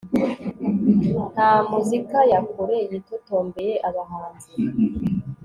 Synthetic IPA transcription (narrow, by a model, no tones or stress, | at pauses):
namuzikajakoɾejitotoːmbe̞jeʔaβaɦaːnzi